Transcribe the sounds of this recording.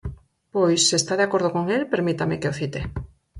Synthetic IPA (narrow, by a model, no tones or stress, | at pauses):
pojsːest̪aðeakoɾð̞okoŋelpeɾmit̪amekeoθit̪e